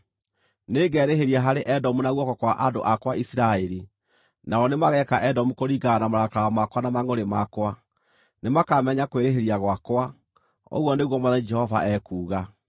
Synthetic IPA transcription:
neːɡɛːɾeɦeɾiaɦaɾeʔɛdɔmunaɣwɔkɔkwaʔado̰ʔakwaisiɾaeɾi | naɔnemaɣɛkaʔɛdɔmukoɾiɡanamaɾakaaamakwanamaŋoɾemakwa | nemakamɛɲakweɾeɦeɾiaɣwakwa | o̰ɣwɔneɣwɔmwaðad͡ʒɛhɔva̰ʔɛkuːɣa

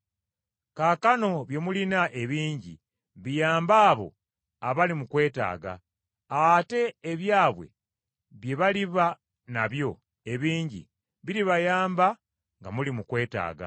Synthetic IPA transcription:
kakano̞βje̞mulinaʔe̞βiːɲɟḭ | βijaːmbaːβo̞̰ | aβalimukwe̞ːta̰ːɡa̰ | ate̞ːβjaːβwe̞̰ | βje̞βaliβa | naβjo̞ | e̞βiːɲɟḭ | βiɾiβajaːmba | ŋɡa̰mulimukwe̞ːta̰ːɡa̰

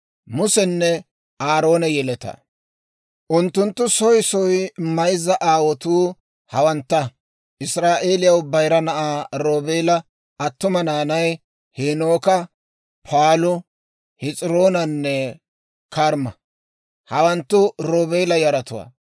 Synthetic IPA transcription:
mʊsɛnːɛ | aːɾo̞ːnɛjɛlɛt̪ɐ̰ | ʔʊnt̪ːʊnt̪ːʊsɔjsɔjmɐjzɐʔaːwɔt̪uː | hɐwɐnt̪ːɐ | ʔɪsɾaːʔe̞ːlɪjɐwbɐjɾɐnɐʔaːɾoːbeːlɐ | ɐt̪ːʊmɐnaːnɐj | heno̞ːkɐ | pʰaːlʊ | hɪt͡sʼɪɾoːnɐnːɛ | kʰɐɾmɐ | hɐwɐnt̪ːʊɾoːbeːlɐjɐɾɐt̪ʊwa̰ː

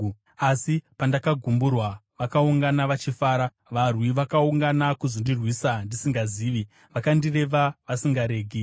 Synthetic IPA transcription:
asipandakaɡʱumburwaʋakauŋɡanaʋat͡ʃifaːɾa | ʋarwiʋakauŋɡanakuzondirwisandisiŋɡaziːʋi | ʋakandire̞ʋaʋasiŋɡaɾe̞ːɡʱi

